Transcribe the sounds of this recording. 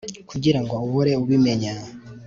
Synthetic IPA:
kʰuɟiɾaŋɡo̞uβuɾe̞uβime̞ɲa

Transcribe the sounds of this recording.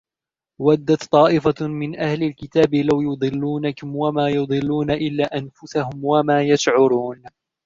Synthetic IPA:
wad̪ːat̪t̪ˤːɑːʔɪfamɪnʔahlɪlkɪt̪aːbɪlawjʊd̪ˤɨlːuːnakʊmwamaːjʊd̪ˤɨlːuːnaʔɪlːaːʔanfʊsahʊmwamaːjaʃʕʊɾuːn

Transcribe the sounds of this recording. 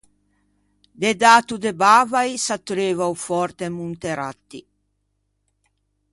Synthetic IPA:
d̪ed̪aːt̪ud̪ebavajsat̪ːuɾeːvawfɔɾt̪emunt̪eɾa̰t̪ːi

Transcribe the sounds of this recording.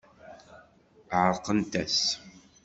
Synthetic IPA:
ʕəɾˤqənt̪æs

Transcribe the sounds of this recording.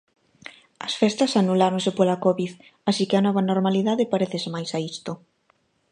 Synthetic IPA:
ɐsfɛst̪ɐsanulaɾoŋsɪpolakɔβið | asikɪɐnɔβɐnoɾmaliðaðɪpaɾeθɪsɪmajsaist̪ʊ

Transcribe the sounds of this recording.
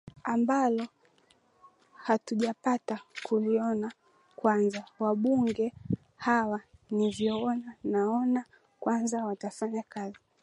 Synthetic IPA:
ambalɔ | hatuʄapatakuliɔna | kwanzawaɓuŋɡɛ | hawanivjɔɔnanaɔna | kwanzawatafaɲakazi

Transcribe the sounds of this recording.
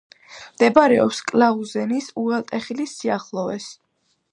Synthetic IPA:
md̪̥ɛbaɾɛɔ̰pskʼlauzɛnisuɛlˠt̪ʼɛχilisːiaχlˠɔvɛs

